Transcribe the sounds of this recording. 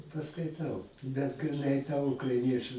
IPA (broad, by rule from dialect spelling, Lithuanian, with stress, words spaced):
pɐskɐɪˈtɐʊ bʲɛt ɡrʲɪˈnɐɪ tɐ ʊkrɐɪˈnʲiɛt͡ʃʊ